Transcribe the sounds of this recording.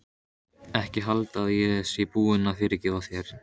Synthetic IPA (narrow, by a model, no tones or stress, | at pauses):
ɛhcɪɦalt̪aðjɛsjɛpuːɪnafɪːɾɪɾcɪːvawθjɛɾ̥